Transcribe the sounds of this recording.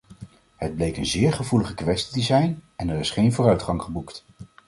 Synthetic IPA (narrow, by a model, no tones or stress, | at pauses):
həd̚blejkənzɪːɹχəvuləχəkʋɛstidizɛjnɛnɛrɪsχejnvʊːrœɥtχɑŋχəbukt